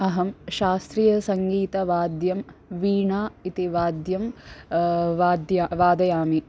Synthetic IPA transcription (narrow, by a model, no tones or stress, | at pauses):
ɐɦɐmʃaːst̪ɾijɐsɐŋɡiːt̪ɐʋaːd̪jɐmʋiːɳaːit̪iʋaːd̪jɐm | ʋaːd̪jaːʋaːd̪ɐjaːmi